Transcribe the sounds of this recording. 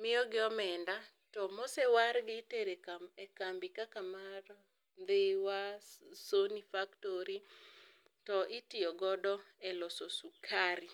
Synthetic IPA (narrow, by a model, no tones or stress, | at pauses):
mɪjɔɡɪɔmɛnda | tɔmosɛwaɾɡɪteɾekaekambikakamar | d̪ewasonifaktoɾi | tɔʔɪtɪɔɡɔdɔɛlɔsosukʰaɾi